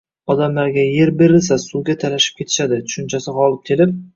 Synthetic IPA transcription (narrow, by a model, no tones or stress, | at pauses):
ɒd̪amlaɾɡʲaje̞ɾbeɾɪls̬asuɡʲat̪ʰalaʃɪ̥p̚kʰʲe̞t̪ʰɪ̥ʃad̪ɪt̪ʰʊ̥ʃʊnt͡ʃʰasɪqɒlˠɪp̚kʲʰe̞lɪp̚